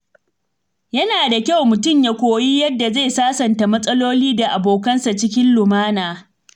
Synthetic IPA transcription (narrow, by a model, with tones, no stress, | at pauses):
jɐ˦naː˨da˨kʲa˦wmʊ˨tʊ˦˨mja˦kʷoː˨ji˦jɐ˦dːa˨ze˦˨jsaː˦sɐ˨nta˨mɐ˦sʼɐ˦loː˦liː˦da˨ʔa˨boː˨kɐ˦nsa˨t͡ʃɪ˦kʲɪ˦nlʊ˨maː˦naː˨